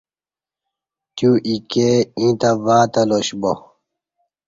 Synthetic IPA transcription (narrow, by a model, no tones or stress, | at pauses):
t̪juʔikeĩːt̪ɐvaːt̪ɐloɕbo